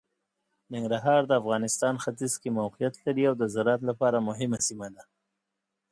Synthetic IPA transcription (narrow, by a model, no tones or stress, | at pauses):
nɪŋɡɾaɦɑɾd̪əafɣɑnɪst̪ɑnxat̪izkemawqijat̪laɾiawd̪əzaɾɑt̪lapɑɾamʊɦɪmasimad̪a